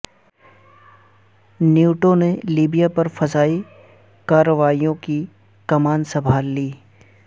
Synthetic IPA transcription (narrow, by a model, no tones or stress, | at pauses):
njuːʈoneliːbijapɐɾfɐzaːi | kaːɾəʋaːijõki | kɐmaːnsɐbʱaːlːiː